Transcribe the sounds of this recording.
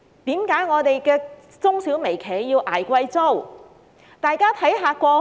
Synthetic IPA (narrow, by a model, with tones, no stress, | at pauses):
t̪iː˨˥mkaː˨˥jŋɔː˨˧t̪e˨jkɛː˧ | t͡sʊ˥ŋsiː˨˥wme˨˩jkʰeː˨˩jːiː˧wʔa̰ː˨˩jkʷɐ˧jt͡so˥˩w | t̪aː˨jkaː˥t̪ʰɐ˨˥jɦaː˨˧kʷɔː˧